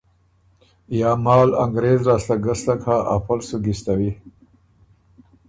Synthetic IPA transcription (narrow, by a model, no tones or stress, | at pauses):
jɑːmɑːlaŋɡɾeːzɾaːst̪aɡaslakʰaʔa̰palsuɡist̪awi